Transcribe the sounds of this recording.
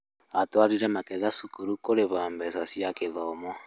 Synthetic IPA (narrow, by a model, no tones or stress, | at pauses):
atwaɾiɾɛmakɛðasukuɾukoɾeβambɛsasiakeðɔmɔ